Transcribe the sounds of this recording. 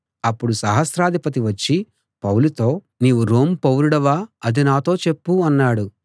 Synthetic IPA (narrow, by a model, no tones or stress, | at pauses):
ɐpːuɽusɐɦɐsɾaːd̪ʱipɐt̪̬iʋɐt͡ʃːi | pɐwlut̪o̞ː | niːʋuɾo̞ːmpɐwɾuɽɐʋaːɐd̪inaːt̪o̞ːt͡ʃe̞pːuɐnːaːɽu